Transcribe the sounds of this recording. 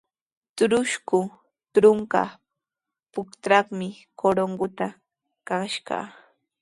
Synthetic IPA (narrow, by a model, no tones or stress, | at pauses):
t̪ʊɾʊʃkʊ | t̪ɾʊŋka̰ | pʊkt̪ɾɑχmɪ | koɾoɴɢʊt̪a | kaʃɢɑ̰